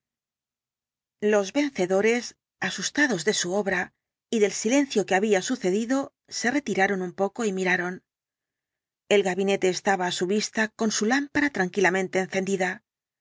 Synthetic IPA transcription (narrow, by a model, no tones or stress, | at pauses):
lo̞zβe̞n̟θe̞ðo̞ɾe̞s | asust̪aðo̞zðe̞suo̞βɾa | iðe̞lsile̞n̟θjo̞ke̞aβiasuθe̞ðiðo̞ | se̞re̞t̪iɾaɾo̞numpo̞ko̞imiɾaɾo̞n | e̞lɣaβine̞t̪e̞ːst̪aβaːsuβist̪ako̞nsulampaɾat̪ɾaŋkilamẽ̞nt̪e̞ːnθe̞nd̪iða